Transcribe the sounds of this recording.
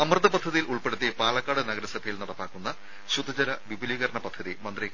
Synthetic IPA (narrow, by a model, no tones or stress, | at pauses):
ɐmrɨd̪ɐpɐd̪ʱːɐðijilʔuɭpe̞ɽut̪ːijɐpaːlɐkːaːɽɨnɐɡɐɾɐsɐbʱɐjilnɐɽɐpːaːkːunːɐ | ɕud̪ʱːɐd͡ʑɐɾɐʋibʱuliːɣɐɾɐɳɐpɐd̪ʱːɐðimɐnd̪rik